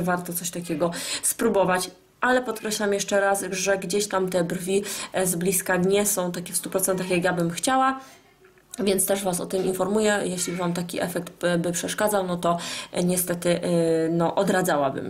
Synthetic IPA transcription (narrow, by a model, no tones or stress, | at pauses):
vaɾt̪ɔt̪sɔɕt̪akʲɛɡɔspɾubɔvat͡ɕ | ʔalɛpɔt̪̚kɾɛɕlamjɛʂɛɾasʐɛɡd͡ʑeɕt̪amt̪ɛbrvʲizblʲiskad̪ɲɛsɔ̃w̃t̪akʲɛfst̪upɾɔt̪sɛnt̪axjakjabɘmxt͡ɕawa | vʲjɛnt̪st̪ɛʂvasɔ̰t̪ɘminfɔɾmujɛjɛɕlʲivamt̪akʲiʔɛfɛk̚t̪bɘpʂɛʂkad̪zawnɔt̪ɔɲɛst̪ɛt̪ɘnɔʔɔd̪ɾad̪zawabɘ̰m